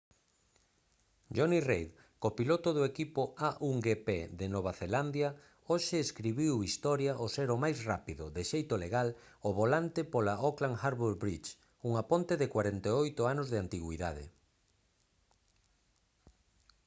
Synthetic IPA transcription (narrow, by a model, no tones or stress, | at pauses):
d͡ʒonirejð | kopilot̪oð̞oekipʊaʔuŋɡepeðenoβ̞aθeland̪ja | oʃeːskɾiβiwist̪ɔɾjaʔoseɾomajsrapiðʊðeʃejt̪oleɣal | oβolant̪ɪpolaʔoklaŋxaɾβuɾbɾit͡ʃ | uŋapont̪eðɪkwaɾent̪eojt̪ʊanozðeant̪iɣwiðaðɪ̰